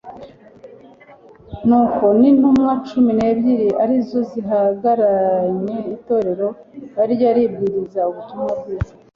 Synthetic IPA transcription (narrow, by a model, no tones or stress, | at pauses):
nuːko̞ninumŋat͡ʃumine̞ːbɟiɾiʔaɾizo̞ziɦaɡaɾaɲe̞ito̞ːɾe̞ɾo̞ | βaɾjaɾib̚ɡiːɾizauβutumab̚ɡiːza